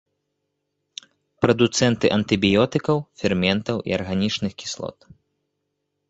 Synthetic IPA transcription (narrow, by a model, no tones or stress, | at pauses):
pɾɐd̪ut̪sɛnt̪ɨʔɐnt̪ɨbʲijɔt̪ɨkɐwfʲɛrmʲɛnt̪ɐwʔḭɐrɣanʲit͡ʂnɨxkʲi̥slˠɔ̰t̪